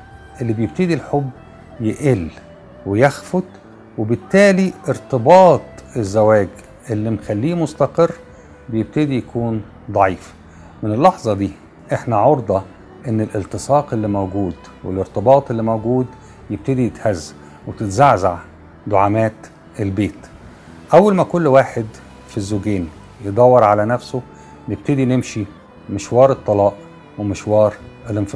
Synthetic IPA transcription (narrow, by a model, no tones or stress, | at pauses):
ʔelːibjeb̚t̪ɪd̪ilħobː | jɪʔelː | wɪjæxfʊd̪ | webɪt̪ːæːliʔɪɾt̪ɨbɑːt̪ˤezːæwæːɡ | ʔelːimxælːiːmʊst̪ɑqɨrː | bejeb̚t̪ed̪ijækuːn | d̪ˤɑʕiːf | mɪnɪlːɑħzˤɑd̪iː | ʔeħnæʕoɾd̪ˤɑ | ʔenːɪlʔɪlt̪ɨsˤɑːqelːimæwɡuːd̪ | welɪɾt̪ebɑːt̪ˤelːimæwɡuːd̪ | jeb̚t̪ed̪ijet̪hæzː | wet̪ɪt̪zaʕzaʕ | d̪oʕamæːt̪ | elbeːt̪ | ʔæwːælmækolːwaːħed̪ | fizːoɡeːn | jed̪ˤɑwːɑɾˤʕalænæfso | neb̚t̪ed̪inemʃi | mɪʃwɑːɾˤet̪ˤːɑlɑːʔ | wemɪʃwɑːɾˤelenf